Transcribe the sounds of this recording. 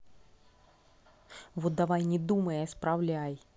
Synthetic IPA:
vot̪̚d̪ɐvajnʲɪd̪uməjəspɾavlʲaj

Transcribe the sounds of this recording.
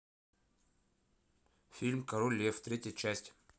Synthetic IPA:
fʲilʲmkɐɾolʲeft̪ɾʲetʲjət͡ɕæsʲtʲ

